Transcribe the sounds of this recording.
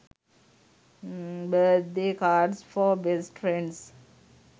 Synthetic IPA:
bəːt̪d̪eːkaːɖsfɔːbesʈɾẽɳɖs

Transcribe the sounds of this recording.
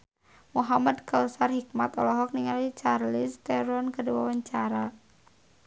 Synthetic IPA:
muɦamadkausarhikmat̪ɔlɔɦɔk̚niŋalit͡ʃarlist̪ɛɾɔnkəduwa̰waɲt͡ʃaɾa

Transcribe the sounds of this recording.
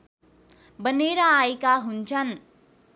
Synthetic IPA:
bəneɾʌajkaɦunt͡sʰʌn

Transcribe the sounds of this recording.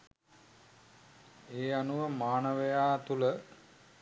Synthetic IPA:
eːanuʋəmaːnəʋəjaːt̪ulə

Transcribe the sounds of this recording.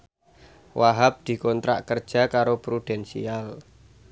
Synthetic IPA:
waɦap̚d̪̥i̤kɔnt̪ɾa̰ʔkər̥ʒ̥a̤kaɾopɾuɖ̥ɛnsḭal

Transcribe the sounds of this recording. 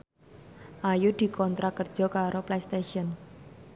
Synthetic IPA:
ʔajud̪̥i̤kɔnt̪ɾakərd̥ʒ̥ɔ̤kaɾoplest̪eʃiɔn

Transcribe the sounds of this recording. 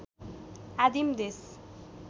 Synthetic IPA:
ad̪imd̪es

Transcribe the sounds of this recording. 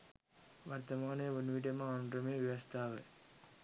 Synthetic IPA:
ʋɐɾt̪ɐmaːneʋʊnʋiːʈ̬ɐmãːnɖɾɐmeːʋɪʋɐst̪aːʋɐ̰

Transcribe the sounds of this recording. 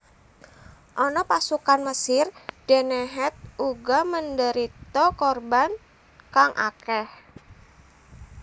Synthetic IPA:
ʔɔnɔpasukanməsɪrd̥ɛnɛɦɛt̪̚uɡaməndəɾit̪ɔkɔrban | kaŋʔa̰kɛh

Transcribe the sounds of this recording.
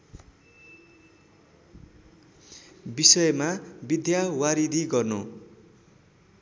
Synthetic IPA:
bisʌjmabid̪ʱjawaɾid̪ʱiɡʌrno

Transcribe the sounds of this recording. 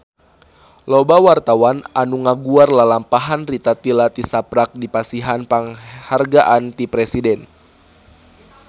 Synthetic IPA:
lɔbawart̪awananuŋaɡuarlalampaɦanrit̪at̪ilat̪isapɾak̚dipasiɦanpaŋharɡaʔant̪ipɾɛsidɛn

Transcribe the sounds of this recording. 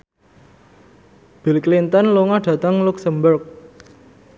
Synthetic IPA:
b̥i̤lklint̪ənloŋaɖ̥ä̤t̪əŋluksəmbʊrk̚

